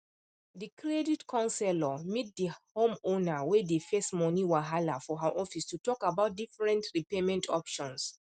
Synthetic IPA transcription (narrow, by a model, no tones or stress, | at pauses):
ðikʰɹedidkʰɔ̃nsɛlɔmit̚dihõmõnawɛdefɛstmɔniwaɦalafɔɦaʔɔfistutɔkabaʊt̚difɹɛ̃ntɹipemɛ̃ntʰɔpʃɔ̃ns